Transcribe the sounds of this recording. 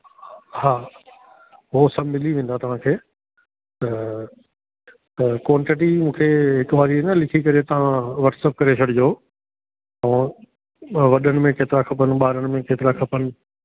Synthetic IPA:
haː | ɦosɐbmɪliʋẽːn̆d̪at̪ɐʋ̤ãkʰeː | t̪ɐ | t̪ɐkoːɳʈɪʈ̬imũːkʰeːɦɪkʊʋaːɾiɦnəlɪkʰikɐɾet̪ɐʋ̤ãʋɐʈsəp̚kɐɾet͡ɕʰɐɽɪd͡ʑoː | ɐ̃ | ʋɐɗənɪ̆mẽkeːt̪ɪɾakʰɐpənɪ̆ɓaːɾəɽ̃ɪ̆mẽkeːt̪ɪɾakʰɐpənɪ̆

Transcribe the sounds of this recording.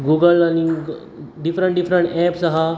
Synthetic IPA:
ɡuɡəlani | ɖifɾəɳʈ̚ɖifɾəɳʈɛpsaɦa

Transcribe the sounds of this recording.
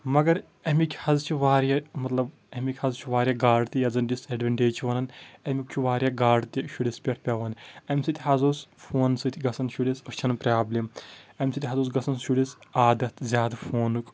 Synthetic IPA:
mɐɡɐɾ | ɐmʲikʲʰhɐzt͡ʃʰiʋaːɾjamɐt̪lɐb | ɐmʲikʲhɐzt͡ʃʰuʋaːɾjaːɡaːɖt̪ijɐd͡zɐnɖʲisɐɖʋɐɳʈeːt͡ʃʰiʋɐnɐnɐmʲikt͡ʃʰuʋaːɾjaːɡaːɖt̪iʃuɽʲispʲeʈʰpʲaʋɐnɐmʲsɨt̪ʰʲɦɐzuːsfʰoːnsɨt̪ʲʰiɡɐsɐnʃuɽʲisɐt͡ʃʰɐnpɾʲaːblʲemɐmʲsɨt̪ʰʲɦɐzuːs̬ɡɐsɐnʃuɽʲisaːd̪ɐt̪ʰzʲaːd̪ɐfʰoːnuk

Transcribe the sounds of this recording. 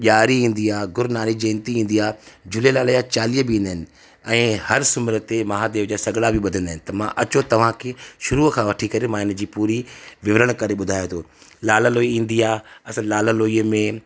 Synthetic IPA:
ʄaːɾiĩːn̆d̪iaːɡʊɾnaːɾid͡ʑẽːnt̪iĩːn̆d̪iaːd͡ʑʱʊlelaːləjat͡ɕaːliəbɪĩnd̪aːɦɪnɪ̆ | ɛ̃ːhɐɾsʊmɪɾət̪emɐɦad̪eːʋd͡ʑasɐɡɽabʱɪɓʊd̪ʱə̃nd̪aːɦɪ̃nɪ̆t̪ɐmãʔɐt͡ɕot̪ɐʋ̤ãkʰeːʃʊɾukʰãʋɐʈʰikɐɾemãːɪnəd͡ʑiːpuːɾiʋɪʋɾəɽ̃kɐɾeɓʊd̪ʱaːjot̪ʰoːlaːləloːiĩːn̆d̪iaːɐsãlaːləloːiəmẽ

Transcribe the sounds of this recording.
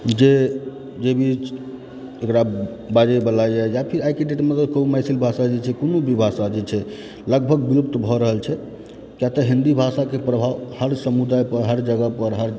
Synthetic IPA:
d͡ʒe | d͡ʒebʱi | ekɽa | bad͡ʒebəlajɛjapʰiɾajkiʈeʈmət̪ləbkəɦumajsilbʱasad͡ʒɛt͡ʃʰɛkonubʱibʱasad͡ʒɛt͡ʃʰɛ | ləɡbʱəɡbilup̚t̪bʱɔɾəɦəlt͡ʃʰɛ | kjat̪əɦĩnd̪ibʱasakepɾəbʱaʋhəɾsəmud̪ajpəɾɦəɾd͡ʒəɡəpəɾɦəɾ

